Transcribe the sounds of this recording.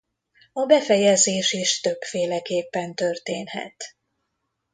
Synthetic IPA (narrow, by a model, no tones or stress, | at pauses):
ɒbɛfɛjɛzeːʃiʃt̪ø̞bfeːlɛkeːpːɛnt̪ørt̪eːnɦɛ̰t̪